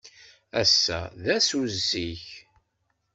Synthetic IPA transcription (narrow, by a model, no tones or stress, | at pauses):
æ̰sːæ̰ðæsuzsiç